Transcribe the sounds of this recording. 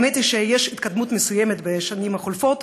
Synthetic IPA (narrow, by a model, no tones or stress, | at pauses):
met̪iʃejeʃit̪̚kad̪mut̪mesujemet̪beʃanimhaχolfot̪